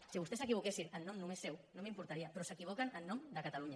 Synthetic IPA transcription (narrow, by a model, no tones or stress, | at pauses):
siβust̪esəkiβukesinənːomnumesːɛwnõmimpuɾt̪aɾiapɾɔsəkiβ̞okənənːɔmd̪əkat̪aluɲa